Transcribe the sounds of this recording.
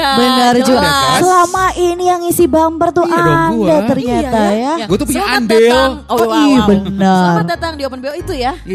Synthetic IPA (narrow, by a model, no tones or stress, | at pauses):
bənərd͡ʒusəlamaʔinijaŋisibampərt̪uʔadat̪ərɲat̪ajaɡuat̪upiaambɪlibənərdat̪aŋdiopənbeit̪uja